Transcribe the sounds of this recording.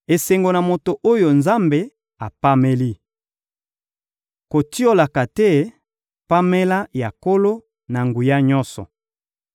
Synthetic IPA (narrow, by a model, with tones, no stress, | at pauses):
e˨se˨ŋɡo˨na˨mo˨to˨ʔo˦jo˨nza˦mbe˨ | a˨pa˦me˦li˦ | ko˨ti˦o˦la˨ka˨tɛ˦ | pa˦me˦la˦ja˨ko˦lo˦ | na˨ŋɡu˨ja˦ɲɔ̃˦nsɔ̰˨